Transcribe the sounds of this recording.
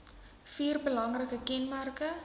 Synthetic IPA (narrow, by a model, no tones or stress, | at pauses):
fiːrbəlɐŋrəkəkɛnmærkə